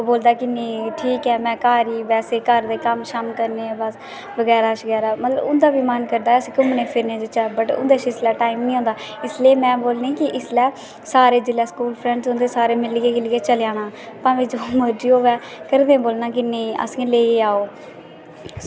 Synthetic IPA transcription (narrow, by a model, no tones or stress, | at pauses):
oboːld̪aːkɪnẽʈʰiːkɛːmɛ̃ːkaːɾiːbɛːseːkəɾd̪eːkəmʃəmkəɾnẽːbəs | bəɡɛːɾaːʃəɡɛːɾaːmət̪ləbʊnd̪aːbiːmənkəɾd̪aːɛəsĩːkʊmnẽːpʰɪɾnẽːd͡ʒɪt͡ʃəbəʈʊ̰nd̪eːʃɪslɛːʈaːimnĩːɦõːnd̪aː | ɪsleːmɛ̃ːboːlnẽːkɪʔɪslɛː | saːɾeːd͡ʒɪlɛːskuːlpʰɾɛ̃ːɳɖsõnd̪eːsaːɾeːmɪlɪɡeːɡɪlɪːeːt͡ʃəljaːñãː | p̪ãːʋẽːd͡ʒoːməɾd͡ʒiːoːʋɛː | kəɾd̪ẽːboːlnaːkɪnẽiːʔə̰sĩːleːiaːoː